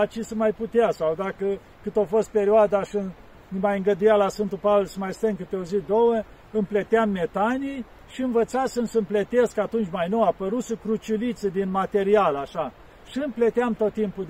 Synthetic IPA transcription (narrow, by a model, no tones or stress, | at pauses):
at͡ʃisəmajput̪easawd̪akə | kɨt̪ofo̞st̪̚pe̞ɾioad̪aʃɨ | nmajɨŋɡəd̪ujalasfɨnt̪upavelsəmajst̪eŋkɨt̪eozid̪owə | ɨmplet̪eamːe̞t̪anij | ʃiɨnvət̪sasɨmsəmplet̪e̞skat̪unt͡ʃʲmajnowapəɾusəkɾut͡ʃilit̪səd̪inmat̪e̞ɾialaʃa | ʃiɨmplet̪eamt̪o̞t̪ːimpud̪